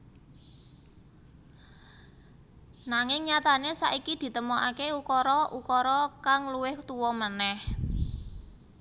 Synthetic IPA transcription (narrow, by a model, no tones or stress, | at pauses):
naŋɪŋɲat̪anesa̰ʔikid̪̥i̤t̪əmoʔakeukɔɾɔʔukɔɾɔkaŋluwɪht̪uwɔmənɛh